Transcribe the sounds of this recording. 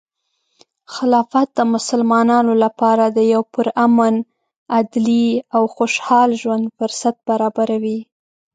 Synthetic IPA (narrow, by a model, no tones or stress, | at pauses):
xɪlɑfat̪̚d̪əmʊsəlmɑnɑnolapɑɾad̪əjawpʊɾaman | ad̪liawxoʃhɑlʒwand̪fʊɾsat̪̚baɾɑbaɾawi